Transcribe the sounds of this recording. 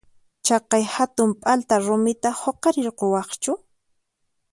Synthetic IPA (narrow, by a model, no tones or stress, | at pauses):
t͡ʃɑqɑjhat̪ʊmpʼalt̪aɾʊmɪt̪ahoqɑɾɪɾqowɑχt͡ʃʊ